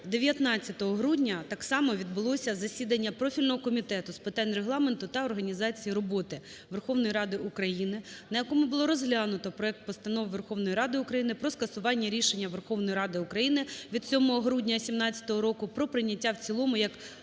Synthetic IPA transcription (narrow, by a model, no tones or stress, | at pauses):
d̪e̞ʋʲjɐt̪nɑt͡sʲːɐt̪ɔɦɔɦɾudʲnʲɐt̪ɑksɑmɔʋʲid̪̚bʊlˠɔsʲɐzɐsʲid̪ɐnʲːɐpɾɔfʲilʲnɔɦɔkɔmʲit̪ɛt̪ʊspɪt̪ɑnʲreɦlˠɑment̪ʊt̪ɐɔrɦɐnʲizɑt͡sʲijiɾɔbɔt̪ɪ | ʋerxɔʋnɔjiɾɑd̪ɪukɾɐjinɪnɐjɐkɔmʊbʊlˠɔɾɔzɦlʲanʊt̪ɔpɾɔɛk̚t̪̚pɔst̪ɐnɔʋʋerxɔʋnɔjiɾɑd̪ɪʊkɾɐjinɪpɾɔskɐsʊʋɑnʲːɐɾʲiʃenʲːɐʋerxɔʋnɔjiɾɑd̪ɪʊkɾɐjinɪʋʲid̪̥̚t͡sʲɔmɔɦɔɦɾudʲnʲɐsʲimnɑt͡sʲːɐ̥t̪ɔɦɔɾɔkʊpɾɔpɾɪnʲːɐtʲːawt͡sʲilˠɔmʊjɐk